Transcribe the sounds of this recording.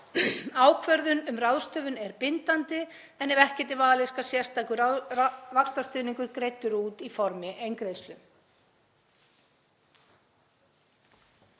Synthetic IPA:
aːwkʰvœɾðʏnʏmrawðst̪œːvʏnɛɾpɪnt̪ant̪ɪ | ɛnɛvɛhcɛt̪ɪvaːlɪskasjɛr̥st̪aːkʏavakst̪ast̪ʏːnĩŋkʏɾkɾejt̪ːʏɾuːt̪ifɔɾmɪʔejŋkɾejðst̪ʏm

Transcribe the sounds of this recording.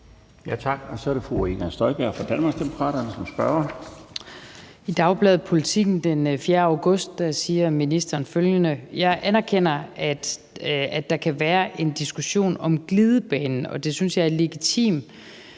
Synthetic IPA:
jæt͡sʰɑ̈ɡ̥ɒsɒæɐɾefʁueɡ̥ænsd̥ɒɪb̥æɐ̰fɒd̥ænmɑ̈ɡ̥sd̥emo̝kʰʁɑ̰̈ːɾɐnəsɒmsb̥ɶɐɐ | id̥ɑ̈ʊb̥lɛðˠpʰo̝lit͡sʰiɡ̥n̩d̥enfjeːɐaʊɡ̥ɔ̽sd̥̚ɑsiːɐminisd̥ɐːnføljənəjɑ̈ɪʔænæɐkʰen̰ɐæd̥ | æd̥ɑ̈kʰæʋæːɐʔe̝nd̥isɡ̥uɕo̝̰ːnɒ̽mɡ̥liðˠəb̥ɛːnn̩ɒ̽d̥e̝synsjɑ̈ɪæɐle̝ɡ̥it͡sʰḭːm

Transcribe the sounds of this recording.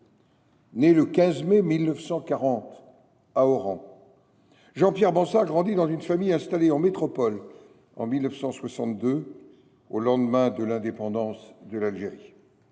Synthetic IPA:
neləkʲɛ̃zmɛmilnəfsɑ̃kaʁɑ̃t̪ | aɔʁɑ̃ | ʒɑ̃pjɛʁbɑ̃saʁɡʁɑ̃d̪id̪ɑ̃zynfamijɛ̃st̪aleɑ̃met̪χɔpɔl | ɑ̰̃milnəfsɑ̃swasɑ̃t̪̚d̪ø | olɑ̃d̪mɛ̃d̪əlɛ̃d̪epɑ̃d̪ɑ̃sd̪əlalʒeʁi

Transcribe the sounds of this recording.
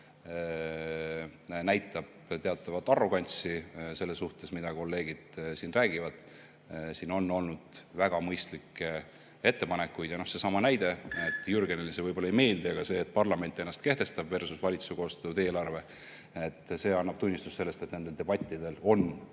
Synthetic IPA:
næjt̪ːˑɑb̥t̪e̞ɑt̪ːˑɑvɑt̪ːˑɑrːo̞ɡ̥ɑnʲt̪sise̞lːesːuht̪e̞smid̪ɑko̞lːe̞ːɡ̥id̪̥sinræːɡ̥ivɑd̪̥ | siːno̞nːo̞lnud̪̥væɡ̥ɑmɤjst̪likːe | e̞t̪ːe̞pɑne̞kːˑujd̪jɑno̞hse̞sɑmɑnæjd̪e̞et̪ːˑjurɡenelisevɤjb̥olɑejme̞ːld̪iɑɡ̥ɑse̞ːt̪̚ːˑpɑrlɑme̞nʲt̪ːˑe̞nːɑst̪ke̞ht̪e̞st̪ɑbve̞rsusvɑlʲit̪suko̞ːst̪ut̪e̞ːlɑrve̞ | et̪ːse̞ːɑnːɑb̥̚t̪unʲːist̪u̥sse̞lːe̞st̪e̞t̪ne̞nd̪e̞ld̪eb̥ɑt̪ʲˑːid̪̥e̞lo̞n

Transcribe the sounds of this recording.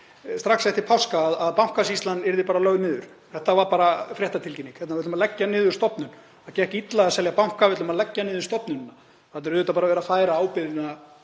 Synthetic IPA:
st̪ɾaxsɛft̪ɪɾ̥pʰawskaːðaðpaw̥kasist̪lanːɛɾðɪpaːɾalœɣnɪːðʏɾ̥ | θɛht̪ːavaɾpaːɾafɾjɛht̪at̪ʰɪlcɪnːiŋkʰɛt̪navɪt̪malɛcːanɪːðʏɾ̥st̪ɔpnʏn | aðcɛɛhcɪit̪laasɛljapawŋ̥kavɪt̪lʏmaðlɛcːanɪːðʏ̥st̪ɔpnʏnnːa | θat̪nɛɾʏðʏːt̪apaɾavɛːɾafaːjɾaaːwpɪðɪna

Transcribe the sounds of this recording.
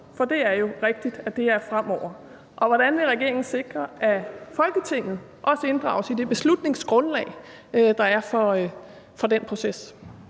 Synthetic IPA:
fɒ̽d̥e̝æɐjo̝ʁeɡ̥̚d̥id̥æd̥e̝æɐfʁam̰ɒʊ̰ɐ | ʔɒ̽ʋɒɾ̥ænʋe̝ʁɛɡ̥e̝ɐ̰eŋn̩se̝ɡ̥ʁɐʔæfɒ̽lɡ̥ət͡sʰe̝ŋ̰ð̩ˠ | ʔɒ̽səe̝nd̥ʁɑ̰̈ʊsid̥e̝b̥e̝slud̥ne̝ŋsɡ̥ʁɔ̽nlɛ̰ɪ | d̥ɑ̈æɐfɒ | fɒ̽d̥enpʰʁo̝ses

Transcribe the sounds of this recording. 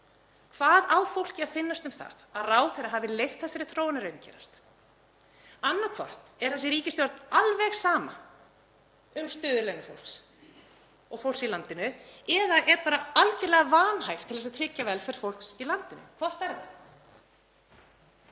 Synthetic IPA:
kʰvaːðaːwfowl̥cɪaðfɪnːast̪ʏmθa̰ðaðraːwθɛɾaɦaːvɪlejft̪θɛsɛɾɪθɾoːwanɪɾœɥncʰɛ̰ːɾast̪ | anːakʰvɔ̰r̥t̪ɛɾ̥θɛsɪɾiːcɪst̪jɔɾt̪nalvɛɣsaːma | ʏmst̪œːðʏlejnʏfo̰wlks | ɔɣfowlsilant̪ɪnʏɛðaʔɛɾpaːɾaalcɪlɛɣavaːnhajft̪ʰɪlðɛsaðt̪ʰɾɪcːavɛlfɛɾ̥fowl̥ksilant̪ɪnʏ̰kʰvɔr̥t̪aɾðɪ̰

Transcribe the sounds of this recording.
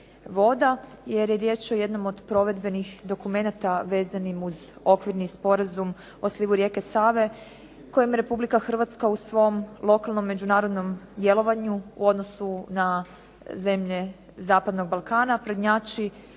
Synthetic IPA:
ʋo̞d̪aje̞ɾjeɾje̞ːt͡ʃo̞je̞d̪no̞mo̞d̪pɾo̞ʋe̞d̪be̞nixd̪o̞kume̞nat̪aʋe̞ːzanimuzo̞kʋiɾnispo̞ɾazum | o̞sliʋuɾje̞ːkesaːʋe̞ | ko̞jemjeɾe̞publikaxr̩ʋat̪skausʋo̞mlˠo̞kalˠno̞mːe̞d͡ʒunaːɾo̞d̪no̞md̪je̞lˠo̞ʋaɲuṵo̞d̪no̞suna | ze̞mʎe̞ | zaːpad̪no̞ɡ̚balˠkaːnapɾod̪ɲaːt͡ʃi

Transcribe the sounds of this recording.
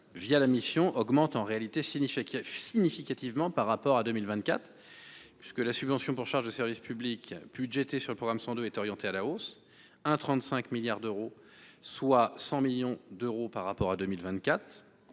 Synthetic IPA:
vjalamisjɔ̃ʔɔɡmɑ̃t̪ɑ̃ʁealit̪esisiɲifikʲat̪ivmɑ̃paʁːapɔʁad̪ømilvɛ̃t̪̚kʲat̪χ | pɥiskəlasybvɑ̃sjɔ̃puʁʃaʁʒd̪əsɛʁvispyblikb̥yd̪ʒɛt̪esyʁləpχɔɡʁamsɑ̃d̪øɛt̪ɔʁjɑ̃t̪ealaos | ɛ̃t̪χɑ̃t̪sɛ̃kmiljaʁd̪øʁo | swasɑ̃miljɔ̃d̪øʁopaʁːapɔʁad̪ømilvɛ̃t̪̚kʲat̪χ

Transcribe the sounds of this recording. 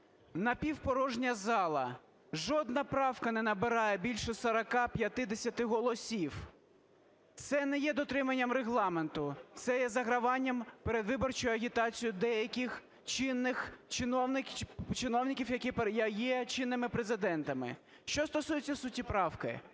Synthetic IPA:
nɐpʲiwpɔɾɔʒnʲɐzɑlˠɐ̰ | ʒɔd̪nɐpɾɑwkɐnɛnɐbɪɾɑjɛbʲilʲʃɛsɐɾɐkɑpʲjɐt̪ɪd̪esʲɐt̪ɪɦɔlˠɔsʲiw | t̪sɛnɛjɛd̪ɔt̪ɾɪmɐnʲːɐmreɦlˠɑment̪ʊt̪sɛjɛzɐɦɾɐʋɑnʲːɐmpeɾed̪ʋɪbɔrt͡ʃʊjʊɐɣʲit̪ɑt͡sʲijʊd̪ɛjɐkʲix | t͡ʃɪnːɪxt͡ʃɪnɔwnɪt͡ʃɪnɔwnʲɪkʲiwjɐkipjjɛt͡ʃɪnːɪmɪpɾezɪd̪ɛnt̪ɐmɪ̰ | ʃt͡ʃɔst̪ɔsujɪt͡sʲːɐsʊtʲipɾɑwkɪ̰

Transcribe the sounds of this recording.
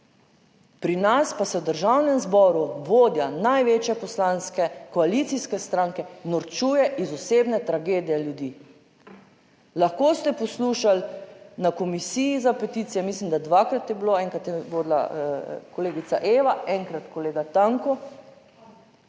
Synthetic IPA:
pɾinaspasɛwd̪əɾʒawnɛmzbɔːɾuʋoːd̪janajʋeːt͡ʃjɛpɔslãnskɛkɔalit̪siskɛst̪ɾaːŋkɛnɔɾt͡ʃuːjɛʔizɔseːbnɛt̪ɾaɡeːd̪ijɛljud̪iː | laxkoːst̪ɛpɔsluːʃalnakɔmisiːjizapɛt̪it̪sijɛmiːslimd̪ad̪ʋakɾat̪jɛbiloɛŋkɾat̪jɛʋod̪la̰kɔleːɡit̪saʔeːʋaɛŋkɾat̪kɔleːɡat̪aŋkɔ

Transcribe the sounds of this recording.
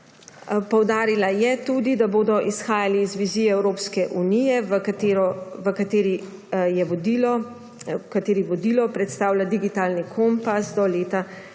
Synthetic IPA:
pɔwd̪aːɾilajɛt̪uːd̪id̪aboːd̪ɔʔisxaːjaliːzʋiziːjɛɛwɾoːpskɛʔunijɛʋəkat̪eːɾɔʋəkat̪eːɾi | jɛʋɔd̪ilɔ | kat̪eːɾiʋɔd̪ilɔpɾɛt̪st̪aːwlad̪iɡit̪aːlnikʰompasd̪ɔleːt̪a

